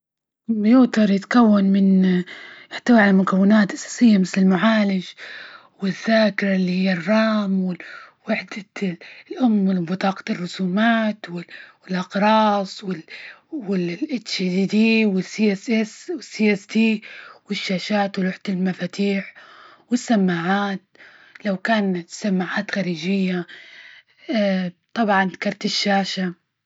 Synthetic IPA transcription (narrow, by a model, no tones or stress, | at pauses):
bjut̪ɑɾˤjɪt̪kawːanmɪn | ʔɪħt̪awiʕalamʊkawːɪnaːt̪ʔasḁːsɪjːamɪθlɪlmʊʕaːlɪd͡ʒ | wɪðːaːkɪɾˤalːihijːarˤːɑːmwɪwaħd̪alʔʊmːɪlbɪt̪ˤɑːqɑ̥rˤːʊsuːmaːt̪wɪwɪlʔɑqɾˤɑːsˤwɪlwɪlʔɪt̪t͡ʃid̪iːd̪iːwɪsiːʔesʔɛswɪsːiːʔɛsd̪iːwɪʃːaːʃaːt̪wɪlʊħt̪ɪlmafaːt̪iːħ | wɪsːamːaːʕaːt̪̚ | lawkaːnsamːaːʕaːt̪xaɾiːd͡ʒɪjːa | t̪ˤɑbʕɑnðḁkɑɾˤt̪ɪʃːaːʃa